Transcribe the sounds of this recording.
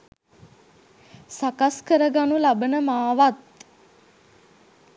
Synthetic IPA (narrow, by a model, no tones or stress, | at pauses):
sakaskəɾəɡanulabənəmaːʋat̪̚